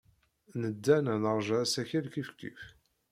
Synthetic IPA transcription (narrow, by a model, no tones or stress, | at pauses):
nəd̪ːænænəʁˤʒæsæçælkifkḭf